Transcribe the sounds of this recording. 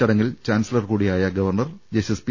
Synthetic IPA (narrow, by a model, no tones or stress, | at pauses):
ɐɽɐŋːɐlt͡ɕaːnsilɐrkuːɽijaːjɐɡɐʋɐrɳɐrd͡ʑesespi